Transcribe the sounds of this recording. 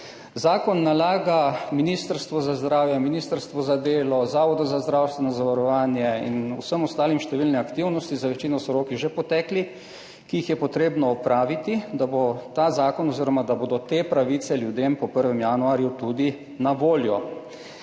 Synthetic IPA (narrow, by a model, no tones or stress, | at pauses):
zaːkɔnːalaːɡaminiːst̪əɾst̪ʋɔzazd̪ɾaːwjɛminiːst̪əɾst̪ʋɔzad̪eːlɔzaːʋɔd̪ɔzazd̪ɾawst̪ʋɛnɔzaʋaɾɔʋaːnjɛḭnṵsəmɔst̪aːlimʃt̪ɛʋiːlnɛakt̪iwnɔst̪izaʋɛt͡ʃiːnɔsɔɾoːkiʒepɔt̪ɛːkli | kiixjɛpɔt̪ɾeːbnɔːpɾaːʋit̪id̪abot̪aːzaːkɔnɔziːɾɔmad̪aboːd̪ɔt̪eːpɾaʋiːt̪sɛljud̪eːmpɔpəɾʋɛmjaːnuaːɾjut̪ud̪i | naʋoːljɔ